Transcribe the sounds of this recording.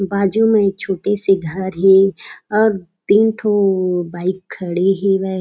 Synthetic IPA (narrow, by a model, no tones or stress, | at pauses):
baːd͡ʒumẽt͡ʃʰoːʈeseɡʱəɾɦɛ̃ɔːɾt̪iːnʈʰobaːɪkʰːəɽeɦẽʋɛɦ